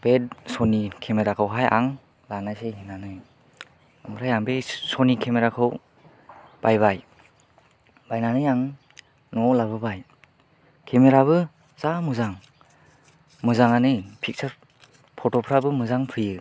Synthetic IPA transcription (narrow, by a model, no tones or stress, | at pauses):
b̥ed̚sɔnikʰemeɾakʰɯwɦajʔa̰ŋ | lanajseɦinanɯj | ɯmbɾajaŋbejsɔnikʰemeɾakʰɯw | b̥ajβaj | bajnanɯjaŋ | nɔlabɯbaj | kʰemeɾaβɯ | z̥amɯzaŋ | mɯzaŋanɯjpʰik̚sʰɯɾ | pʰɔtɔpʰɾabɯmɯzaŋpʰɯjɯ